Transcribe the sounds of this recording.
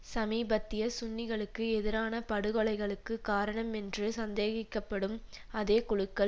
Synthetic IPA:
sɐmiːbɐt̪ːɪjɐsʊnːɪɣɐɭɯkːɯɛðɪɾaːnɐpɐɽɯɣɔɭɐɪɣɐɭɯkːɯkaːɾɐɳɐmɛndrɯsɐnd̪eːɣɪkːɐpːɐɽɯmɐðeːkʊɻɯkːɐɭ

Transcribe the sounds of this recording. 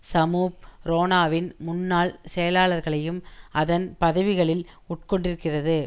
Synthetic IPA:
sɐmuːpɾoːnaːʋɪnmʊnːaːɭsɛjɐlaːɭɐɾɣɐɭɐjɯmɐðɐnpɐðɐʋɪɣɐɭɪl | ʊʈkɔɳɖɪɾɯkːɪrɐðɯ

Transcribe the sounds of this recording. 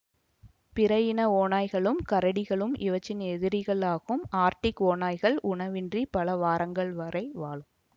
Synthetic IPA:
pɪɾɐjɪnɐoːnaːjɣɐɭɯmkɐɾɐɽɪɣɐɭɯmɪ̰ʋɐt͡ʃːɪnɛðɪɾɪɣɐɭaːɣɯmaːɾʈɪkːoːnaːjɣɐɭʔʊɳɐʋɪndripɐlɐʋaːɾɐŋɡɐɭʋɐɾɐɪʋaːɭɯm

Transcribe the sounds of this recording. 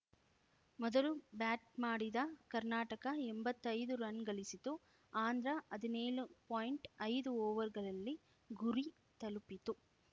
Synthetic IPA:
mɔd̪ɐlubaːʈ̚maːɽid̪ɐkɐɾnaːʈɐkɐembɐt̪ːɐjd̪uɾɐnɡɐɭisit̪u | aːnd̪ɾɐɐd̪ineːɭupoːjiɳʈɐjd̪uɔːʋɐɾɡɐɭɐlːi | ɡuɾi | t̪ɐlupit̪u

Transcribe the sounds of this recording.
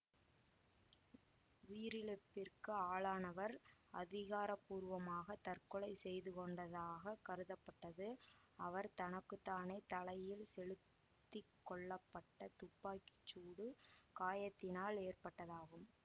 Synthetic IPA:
ʋiːɾɪlɛpːɪrkɯaːɭaːnɐʋɐɾɐ̰ðɪɣaːɾɐpːuːɾʋɐmaːɣɐt̪ɐrkɔɭɐɪsɛjðɯkɔɳɖɐðaːɣɐkɐɾɯðɐpːɐʈːɐðɯ | ɐʋɐɾt̪ɐnɐkːɯt̪ːaːneːt̪ɐlɐjɪlsɛɻɯt̪ːɪkːɔɭːɐpːɐʈːɐt̪ʊpːaːkɪ̥t͡ʃːuːɽɯkaːjɐt̪ːɪnaːleːrpɐʈːɐðaːɣɯm

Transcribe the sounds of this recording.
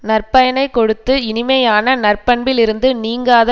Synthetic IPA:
nɐrpɐjɐnɐɪkɔɽɯt̪ːɯɪnɪmɐjaːnɐnɐrpɐɳbɪlɪɾɯnd̪ɯniːŋɡaːðɐ

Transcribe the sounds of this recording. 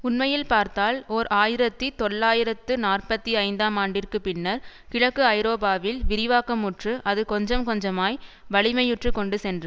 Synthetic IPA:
ʊnmɐjɪlpaːɾt̪aːloːɾaːjɪɾɐt̪ːit̪ɔɭːaːjɪɾɐt̪ːɯnaːrpɐt̪ːiɐɪnd̪aːmaːɳɖɪrkɯpɪnːɐɾkɪɻɐkːɯɐɪɾoːbaːʋɪlʋɪɾɪʋaːkɐmʊʈrɯʔɐðɯkɔɲd͡ʒɐmkɔɲd͡ʒɐmaːj | ʋɐɭɪmɐjɯʈrɯkɔɳɖɯsɛndrɯ

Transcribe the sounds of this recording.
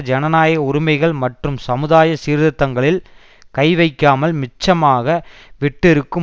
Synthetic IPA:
d͡ʒɛnɐnaːjɐʊɾɪmɐɪɣɐɭmɐʈrɯmsɐmɯðaːjɐsiːɾðɐt̪ːɐŋɡɐɭɪl | kɐɪʋɐɪkːaːmɐlmɪt͡ʃːɐmaːɣɐʋɪʈːɪɾɯkːɯ

